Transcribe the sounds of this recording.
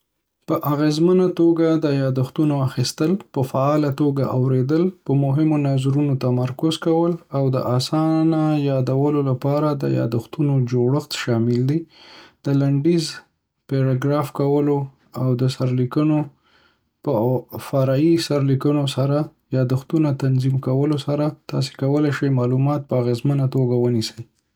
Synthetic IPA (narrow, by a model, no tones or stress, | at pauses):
pəʔaɣezmənat̪oɡad̪əjɑd̪axt̪unoaxist̪əlpəfaɑlat̪oɡa̰ʔawɾed̪əlpəmʊɦɪmonazɾunot̪amaɾkʊzkawəlawd̪ə̰ʔasɑnajɑd̪awəlolapɑɾad̪ə̰jɑ̰d̪ʊxt̪unod͡ʒoɽəxt̪ʃɑmɪld̪id̪̥əlaɳɖiz | peɽaɡɾɑfkawəlo | awd̪əsaɾlikəno | pəfaɾɑjisaɾlikənosaɾajɑd̪ʊxt̪unat̪anzimkawəlosaɾat̪ɑ̰s̬e̥kawəlajʃajmɑlumɑt̪̚pəaɣezmənat̪oɡawənisəj